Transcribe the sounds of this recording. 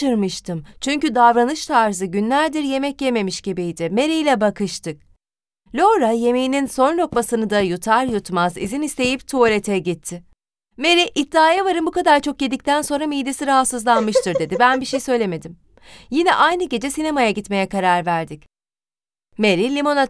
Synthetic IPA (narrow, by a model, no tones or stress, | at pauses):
ɯɾmɯʃt̪ʰɯmt͡ʃʰyɲcyd̪avɾanɯʃt̪ʰaɾzɯɟynlʲæɾd̪iɾje̞mɛcjeme̞miʃɟ̥ibijd̪ɪme̞ɾijlʲɛbakɯʃt̪ʰɯk̚ | lʲo̞ɾaje̞mejininso̞nlʲo̞kmasɯnɯd̪ajut̪ʰaɾjut̪mazizinist̪ʰe̞jipt̪ʰulʲet̪ʰɛɟit̪ʰːɪ | me̞ɾiʔit̪ːaːjavaɾɯnbukad̪aɾt͡ʃʰo̞k̚jed̪ic̚t̪ʰænso̞nɾamijd̪esiɾaɦat̪sɯzlˠanmɯʃt̪ɯɾd̪e̞d̪ibænbiʃejsø̞jlʲe̞me̞d̪im | jinɛ̰ʔajnɯɟe̞d͡ʒɛsinemajaɟit̪me̞jɛkaɾaɾvæɾd̪ic | me̞ɾilʲimo̞na